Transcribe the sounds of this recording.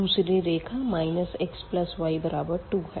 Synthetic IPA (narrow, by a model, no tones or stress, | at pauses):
d̪uːsɾeɾekʰamainəseksplɐsʋaibəɾabəɾʈuɦɛ